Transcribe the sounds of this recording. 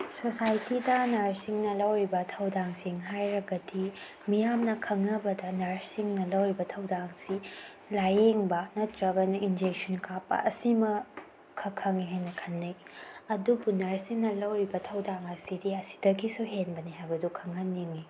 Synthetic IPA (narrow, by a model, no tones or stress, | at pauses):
sosajtidɐnɐɾsiŋnɐlɐwɾibɐtʰɐwdaŋsiŋɦajɾɐɡɐdi | mijamnɐkʰɐŋnɐbɐdɐnɐɾsiŋnɐlɐwɾibɐtʰɐwdaŋsi | lajeŋbɐnɐtɾɐɡɐnuʔind͡ʒek̚sɔnkʰapːɐ̰ʔɐsimɐ | kʰɐkʰːɐŋiɦajnɐkʰɐnːɐjɐdubunɐɾsiŋnɐlɐwɾibɐtʰɐwdaŋɐsidiɐsi̥dɐɡisuɦenbɐniɦajbɐdukʰɐŋɐnːiŋi